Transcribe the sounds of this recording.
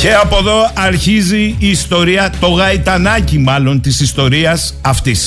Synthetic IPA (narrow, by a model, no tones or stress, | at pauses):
ce̞ɐpo̞ðo̞ɐɾçiziːst̪o̞ɾiɐt̪o̞ɣɐit̪ɐnɐcimɐlo̞nt̪isist̪o̞ɾiɐsɐft̪is